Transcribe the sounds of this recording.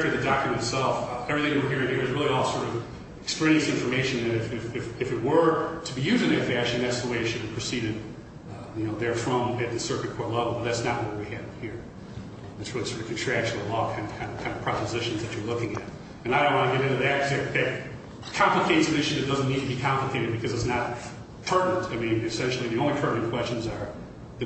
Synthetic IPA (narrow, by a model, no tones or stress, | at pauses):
tə˞ðɨdɑkjɨmɨ̃n̩tsɛlˠfɛvɹiθɪ̃ŋɨ̃ə˞ɦiɹɪ̃ŋiɹɨzɹɪlˠiɔlˠsɔɹɾʌv | ɨkspl̃nɨ̃nsɪ̃ɱfə˞meɪʃɨ̃nɨ̃nɨfɪfɨfɨfɨt̚wə˞ɾəbijʉzɪ̃ŋɨfæt͡ʃ̩ˠĩðætsðəweɪɨtʃɨd̚bipʰɹ̥ɨsiɾɨd̚ | jɨnoʊðə˞fɹʌ̃mɨt̪̚ðɨsɜ˞kɨt̚kʰɔɹtˡlɛvl̩ˠbʌt̪̚ðætsnət̚wʌt̚wiɨvhiɹ | ðætswʌsəɨkʰn̩tʰɹ̥æk̚t͡ʃɨəlɔɾkʰãɪ̃ndə̥kʰãɪ̃ndvkʰãɪ̃ndʌ̥pʰɹ̥ɑpəzɪʃɨ̃n̩zðɨt͡ʃə˞lʊkɪ̃ŋɨ̰ɾ | ɨ̃naɪɾõʊ̃nʔwɑ̃ñɨɡɛɾɪ̃ntʉðæt̚kʰʌzɨðɨt̚ | kʰɑ̃mpləkʰeɪtsðɪʃʉɨt̚d̥ʌzɨ̃nnidtʰɨbikʰɑ̃mpləkʰeɪɾɨd̚bɨkʰʌzɨtsnəɾ | tʰɜ˞ʔnɨ̃ntʰaɪmĩnɨsɛ̃nʃl̩ˠiðiõʊ̃nlitʰɜ˞ʔnɨ̃nkʰw̥ɛst͡ʃɨ̃nzə˞ | ðɨ